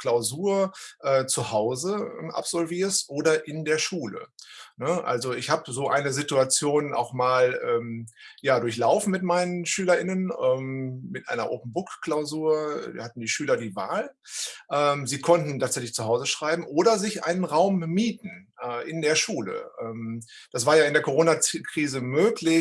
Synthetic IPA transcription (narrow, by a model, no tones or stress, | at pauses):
klaʊzuːɐʔɛːt͡suhaʊzəmʔa̰pz̥ɔlviːɐsʔoːdɐʔɪndeːɐʃuːlə̰nəʔa̰lzoɪçhaːbəzoːʔa̰ɪnəzɪtuat͡sjoːna̰ʊxmaːlʔɛːmjaːdʊɐç̬laʊfn̩mɪtmaɪnənʃyːlɐʔɪnənʔɛːmmɪtʔa̰ɪnɐ̰ʔo̰ːpm̩bʊkkl̥aʊzuːɐ̰hatn̩diːʃyːlɐdiːvaːlʔɛːmziːkʰɔntn̩tʰaːtz̥ɛçlɪçt͡suɦaʊzəʃʁ̥aɪbm̩ʔoːɾɐzɪçʔa̰ɪnənʁaʊmːiːtn̩ʔɛːʔɪndeːɐʃuːlə̰ʔɛːmd̥asv̥aːɐjaːɪndeːɐkʰoʁoːnakʁ̥iːzəmøːklɪ